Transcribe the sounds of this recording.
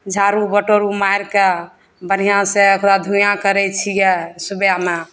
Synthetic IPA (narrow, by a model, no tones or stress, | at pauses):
d͡ʒʱaɾubəʈoɾumajɾke | bən̤ijãseəkɾad̪ʱujãkəɾɛt͡ʃʰijɛsubjame